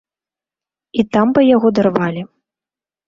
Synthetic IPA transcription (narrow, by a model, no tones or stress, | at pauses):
it̪ambɨjaɣɔd̪arvalʲi